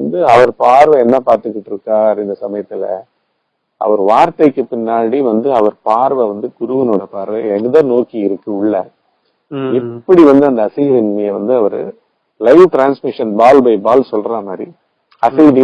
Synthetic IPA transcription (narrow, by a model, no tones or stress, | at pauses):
nd̪ɯɐʋɐɾpaːɾʋɐɛnːapaːɾt̪ɯkːɪʈːɯɾɯkːaːɾɪnd̪ɐsɐmɐjɐt̪ːɪlɐ̰ | ʔɐ̰ʋɐɾʋaːɾt̪ɐɪkːɯpɪnːaːɽiʋɐnd̪ɯɐʋɐɾpaːɾʋɐʋɐnd̪ɯkʊɾʊʋɐnoːɽɐpaːɾʋɐɛnɯðãːnoːkiɪɾɯkːɯʊɭːɐ | ɛpːɐɽiʋɐnd̪ɯɐnd̪ɐːsɐjɪʋɪnmɐjɐʋɐnd̪ɯɐʋɐɾɯ̰ | lɐɪʋʈɾaːnsmɪʂɐnbaːlbɐɪbaːlsɔlɾaːmaːd̪ɾi | ɐsɐjði